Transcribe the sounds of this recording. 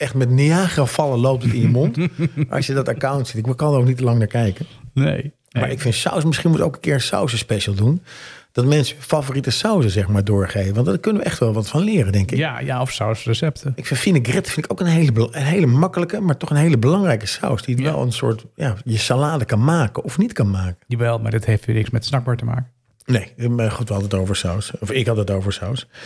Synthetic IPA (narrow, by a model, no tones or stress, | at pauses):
ɛχtmɛtniaːχəfɑlˠəlowp̚tətɪ̃njəmontʔɑ̰sjədɑtakawntsitɪkʋəkɑndəowknitəlɑŋnaːɹkɛjkənnḛj | mmaːɹɪkfɪntsa̰wsmɪsχinmutowkənkɪːɹsa̰wsəspɛʃəlˠdund̥ɔtmɛnsəfafoːritəsawsəzɛxmaːɹdʊːɹχejvəʋɑntdɔkɵnənʋəʔɛχtʋɛlˠʋɑtfɑnlɪːɾəndɛŋkkɪkja̰ɔfsawsrəsɛptəɪkfɪnfinəɡrɪtfɪntɪkowkənɦejləənɦejləmɑkələkəmaːɹtɔχənɦejləbəlɑŋrɛjkəsa̰wsdiətʋɛ̰lˠə̰nsʊ̰ːɹtjaːjəsalaːdəkɑnmaːkənɔfnitkɑnmaːkəʋɛlˠma̰ːɹdɪtɦejftːnɪksmɛtsnɑɡ̚baːɹtəma̰ːkə | nejχutʋəɦɑdəətowvəɹsawsɔfɪkɦɑdətowvəɹsaws